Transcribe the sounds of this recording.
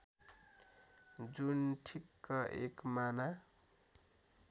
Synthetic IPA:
d͡zunʈʰikːʌʔekmana

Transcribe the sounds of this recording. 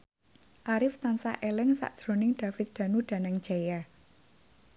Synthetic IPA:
ʔaɾɪft̪ansa̰ʔelɛŋsa̰ʔd̥ʒ̥ɾo̤nɪŋɖ̥ä̤fɪt̪̚d̪̥a̤nuɖ̥a̤naŋ̥d͡ʒ̥aja

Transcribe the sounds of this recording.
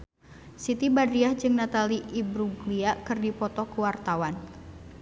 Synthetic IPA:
sit̪ibad̪ɾiahd͡ʒɨŋnat̪aliʔibɾuɡliakɨrdipɔt̪ɔkuwart̪awan

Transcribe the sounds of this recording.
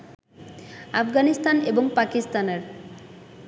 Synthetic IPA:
afɡanist̪aneboŋpakist̪aneɾ

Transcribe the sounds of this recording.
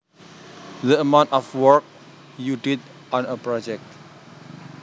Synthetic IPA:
dəəmãʊ̃ntɔfwɔɹk̚ | jutid | ɔ̃nəpɹɔd͡ʒɛk̚t

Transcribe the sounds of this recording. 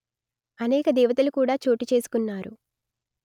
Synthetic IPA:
ɐnɛːkɐd̪ɛːʋɐt̪ɐlukuːɽaːt͡ʃoːʈit͡ʃe̞ːsu̥kunːaːɾu

